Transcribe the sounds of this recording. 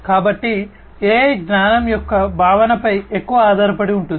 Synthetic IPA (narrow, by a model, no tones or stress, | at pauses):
kaːbɐʈːi | eːɡnaːnɐmjɔkːɐbʱaːʋɐnɐpɐjekːuʋɐaːd̪ʱaːɾɐpɐɽiuɳʈun